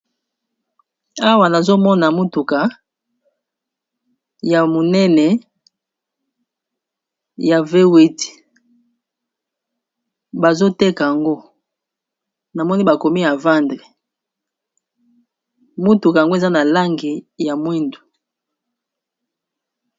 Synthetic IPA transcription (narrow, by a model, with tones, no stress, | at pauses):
a˦wa˨na˨zo˦mɔ˦na˨mo˦tu˨ka˨ | ja˨mo˨nɛ˦nɛ˨ | ja˨ve˦wi˦ti̥˨ | ba˨zo˦te˦ka˨ja˨ŋɡo˦ | na˨mɔ˦ni˦ba˨ko˨mi˦ja˨va˦ndʁe˨ | mu˦tu˨ka˨ja˨ŋɡo˦e˨za˦na˨la˦ŋɡi˨ja˨mwi˦ndu˨